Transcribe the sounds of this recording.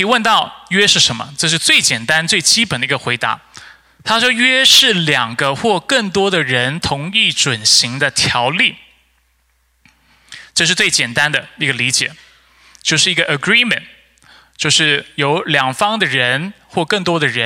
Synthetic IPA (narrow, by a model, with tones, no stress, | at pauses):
i˨˩wə˥˧nt̪ɑ˥˩ʊɥɛ˥ʂɻ̩˥˩ʂə˧˥nmə̰˧ʈ͡ʂɤ˥˧ʂ̬ɻ̩˥˧t͡swe˥˩ɪt͡ɕjɛ˨˩nt̪a˥nt͡swe˥˩ɪt͡ɕi˥pə˨˩nd̪ə˧i˧˥ɡə˧xwe˧˥ɪt̪a̰˧˥˦ | t̪ʰa˥ʂwɔ˥ɥɛ˥ʂɻ̩˥˩ljɑ˨˩ŋɡə˦xwɔ˥˧kə˥˩ŋt̪wɔ˥d̪ə˨ɻə˧˥nt̪ʰʊ˧˥ŋi˥˩ʈ͡ʂwə˨˩nɕi˧˥ŋd̪ə˧t̪ʰjɑ˧˥ʊli˥˩ | ʈ͡ʂɤ˥˧ʂɻ̩˥˧t͡swe˥˩ɪt͡ɕjɛ˨˩nt̪a˥nd̪ə˨i˧˥ɡə˧li˧˥t͡ɕjɛ̰˨˩˦ | t͡ɕjo˥˧ʊʂɻ̩˥˩i˧˥ɡə˧ʔə˨˩ɡɹi˥˩mə̰˨˩n | t͡ɕjo˥˧ʊʂɻ̩˥˩jo˧˥ʊljɑ˨˩ŋfɑ˥ŋd̪ə˨ɻə˧˥n | xwɔ˥˧kɤ˥˩ŋt̪̬wɔ˥d̪ə˨ɻə˧˦˥